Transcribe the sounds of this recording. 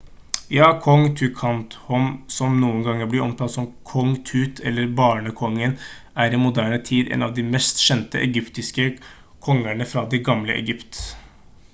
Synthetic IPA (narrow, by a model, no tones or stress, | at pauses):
jɑːkʰɔŋt̪ʰʉkʰɑnt̪hɔmsɔmnuːənɡɑŋːəɾblɪɾɔmt̪ʰɑt̪sɔmkʰɔŋt̪ʰʉːt̪ʰɛlːəɾbɑːɳəkʰɔŋːən | æɾimʊd̪æːɳət̪ʰiːd̪ɛ̰nɑ̰ʋd̪imɛst̪ɕɛnt̪ə̰ʔɛɡʏpt̪ɪskə | kʰɔŋːæɳəfɾɑd̪iɡɑmləʔɛ̰ɡʏpt̪